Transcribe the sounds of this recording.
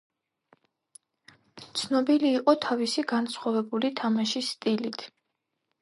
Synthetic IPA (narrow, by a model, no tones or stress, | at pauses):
t̪sʰnɔbiliːqʼɔt̪ʰavisiɡansχwavɛbulit̪ʰamaʃist̪ʼilit̪ʰ